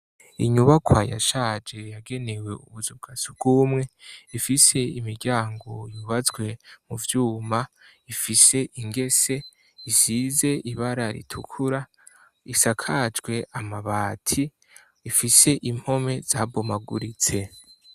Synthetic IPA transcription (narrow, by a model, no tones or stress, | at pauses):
ḭɲuβakwaja̰ʃaːd͡ʒe̞jaɡe̞ne̞we̞ṵβuzub̚ɡ̥asub̚ɡ̥uːmŋe̞ifise̞imiɾɟaːŋɡo̞juβazɡwe̞muvjuːmaifise̞ʔiŋɡe̞se̞ | izize̞ʔiβaɾaɾḭtʰukʰuɾa | isakʰaːd͡ʒɡwe̞ʔamaβaːtʰi | ifise̞ʔim̥ho̞me̞z̥aːbomaɡuɾit͡se̞